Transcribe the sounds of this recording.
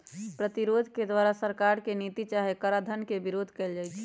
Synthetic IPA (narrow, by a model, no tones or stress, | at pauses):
pɾət̪iɾod̪ʱked̪waɾasəɾkaɾkenit̪it͡ʃaɦekəɾad̪ʱənkebiɾod̪ʱkɛːld͡ʒaːjt͡ʃʰ